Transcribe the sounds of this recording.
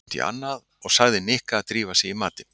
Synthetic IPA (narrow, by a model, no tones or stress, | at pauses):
t̪ḭʔa̰nːað | ɔɣsaɣðɪnɪhkaːt̪ɾiːvasjɛɣimaːt̪ɪn